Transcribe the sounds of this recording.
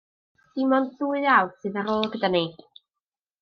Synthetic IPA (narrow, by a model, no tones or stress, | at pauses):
d̥ɪmɔnθuːɨjawsɨðaɾoːlˠɡədani